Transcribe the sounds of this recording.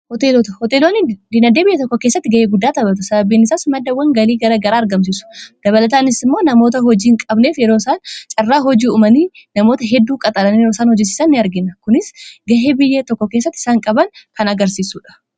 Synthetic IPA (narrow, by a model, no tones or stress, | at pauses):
hɔt̪eːloːt̪ɐhɔt̪eːloːnɪd̪ɪnɐd̪eːbɪjːɐt̪ɔkːɔkeːsːɐt̪ːɪɡɐʔeːɡʊd̪ːaːt̪ɐbɐt̪̬ʊsɐbɐbiːnɪsaːsmɐd̪ːɐwːɐŋɡɐliːɡɐɾɐɡɐɾaːɐɾɡɐms̬iːsʊ̥d̪̥ɐβɐlɐt̪aːnɪsɪmːo̞ːnɐmo̞ːt̪̬ɐɦɔd͡ʒiːŋkʼɐbne̞ːfjɛɾoːɪsaːnt͡ʃʼɐrːaːɦɔd͡ʒiːʊmɐniːnɐmo̞ːt̪ɐɦɛd̪ːuːkʼɐt̪ʼɐlɐnijɛɾoːsaːnhɔd͡ʒːɛs̬i̥ːsɐnːɪɐɾɡɪnːɐkʊnɪsɡɐɦe̞ːbɪjːɐt̪ɔkːɔkeːsːɐt̪ːɪ̥saːŋkʼɐbɐŋkɐnɐɡɐɾsiːsuːᶑɐ̥